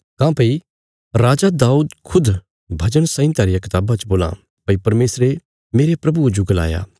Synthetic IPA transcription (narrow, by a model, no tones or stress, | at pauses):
kãːpɐi | ɾaːd͡ʒad̪aːuːd̪kʰʊd̪ | bʱɐd͡ʒənsãːĩt̪ɛːɾɪjakɪt̪aːbãt͡ʃboːlã̰ | pɐipɐɾmeːsɾe | meːɾepɾɐbuɐd͡ʒuɡɐla̰ːja̰ː